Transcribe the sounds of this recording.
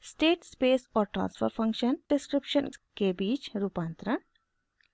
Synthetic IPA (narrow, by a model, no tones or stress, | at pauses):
sʈeːʈspeːsɔːɾʈɾã̰ːnsfə̰ɾfʰɐ̃ŋkʃənɖɪskɾɪpʃənkebiːt͡ʃɾuːpãːnt̪ɾən